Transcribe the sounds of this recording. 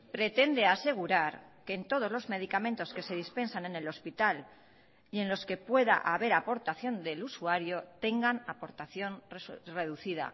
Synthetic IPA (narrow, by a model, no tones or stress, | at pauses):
pɾe̞t̪e̞nd̪e̞ase̞ɣ̞uɾaɾke̞ːnt̪o̞ð̞o̞zlo̞zme̞ð̞ikamẽnt̪o̞ske̞se̞ðispe̞nsane̞ne̞lo̞spit̪al | ie̞nlo̞ske̞pwe̞ða̰ʔaβe̞ɾapo̞ɾt̪aθjo̞nd̪e̞lusuaɾjo̞t̪e̞ŋɡanapo̞ɾt̪aθjo̞nrre̞ð̞uθiða̰